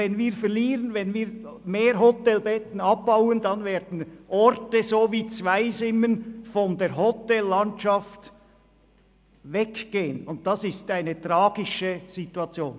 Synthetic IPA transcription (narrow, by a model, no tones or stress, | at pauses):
ɛnviːfɛʁliːʁənvɛnviːɾmeːɾɦɔtɛlbɛtn̩ɑb̚b̥aʊəndɑnveːɐdn̩ʔɔɾtəzoːviːt͡svaɪzɪmːənfɔndeːɾɦɔtɛlːɑntɑft | vɛkɡ̥eːənʊnt̚d̥ɑsɪstaɪnətʁɑːɡ̥ɪʃəz̥ituɑt͡sjoːn